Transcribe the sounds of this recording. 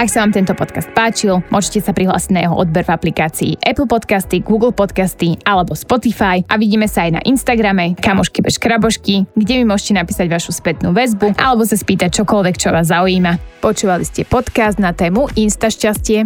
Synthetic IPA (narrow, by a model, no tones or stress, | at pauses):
aksaʋaːmt̪ɛnt̪ɔpɔt̪kast̪̚paːt͡ʃilmʊɔʒɛcɛsapɾiɦla̰ːsiɟnajɛɦɔ̰ʔɔd̪̚bɛɾvaplikaːt͡sḭːʔɛpl̩ˠpɔt̪kast̪iɡuːɡl̩ˠpɔt̪kast̪ialɛbɔspɔt̪ifajʔaʋiɟiːmɛsaajna̰ʔinst̪aɡɾamɛkamɔʃkibɛʃkɾabɔʃkiɡɟɛmimʊɔʒɛcɛnapiːsaɟʋaʃuspɛt̪nuːʋɛzbuʔa̰lɛbɔs̬aspiːt̪ac̚t͡ʃɔkɔlʋɛkt͡ʃɔʋaːzːauiːmapɔt͡ʃuːʋaliscɛpɔt̪kazd̪nat̪ɛːmuʔinst̪aʃcascɪɛ